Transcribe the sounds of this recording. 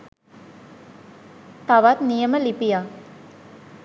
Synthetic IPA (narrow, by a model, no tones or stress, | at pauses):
t̪aʋat̪nijəməlipija